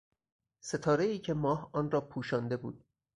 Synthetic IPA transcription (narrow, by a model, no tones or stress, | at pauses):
se̞t̪ʰɒːɾe̞iːcʰe̞mɒːhɒːnrɒːpʰuːʃɒːnd̪e̞bṵːd̪̥̚